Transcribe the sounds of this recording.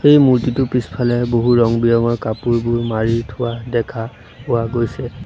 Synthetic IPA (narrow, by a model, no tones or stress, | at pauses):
xejmuɹtitʊpispʰalɛboɦuɹɔŋbijɔŋɔɹkapuɹbʊɹmaɹitʰʊwadɛkʰa | pʊaɡojsɛ